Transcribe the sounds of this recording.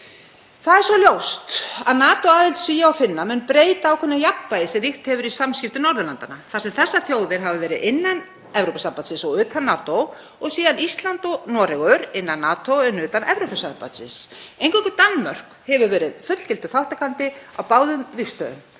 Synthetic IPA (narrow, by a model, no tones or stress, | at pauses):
θaðɛɾsɔljowst̪aðnaːt̪owaːðɪlt̪sviːjaawfɪnːamʏnpɾeːjt̪aːwkʰʏnːɪjapːajɪsɛmɾixt̪hɛvʏɾisamskcɪft̪ʏnɔɾðʏlant̪anaθasɛmθɛsːaθjoːwðɪɾ̥ɦavʏvɛːɾɪðɪnːan | ɛvɾowpasampat̪sɪnsɔɣʏːt̪ʰanːaːt̪ow | ɔɣsiːðanist̪lant̪ɔnɔɾɛɣœɾɪnːanːaːt̪owɛnʏːt̪anʔɛvɾowpasampa̰t̪sɪ̰nsejnŋkʰɔkʏt̪anːmœr̥k | hɛvʏɾvɛːɾɪðfʏt̪l̥t̪ʰɪlt̪ʏ̥θawht̪akʰant̪ɪawpaːwðʏmvixst̪œ̰ðʏ̰m